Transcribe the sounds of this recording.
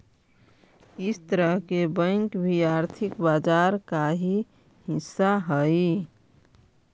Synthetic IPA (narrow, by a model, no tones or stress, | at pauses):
ɪst̪əɾəɦkebə̃ŋkbʱiaːɾt̪ʰikbad͡ʒaːɾkaɦi | hɪsːaɦəi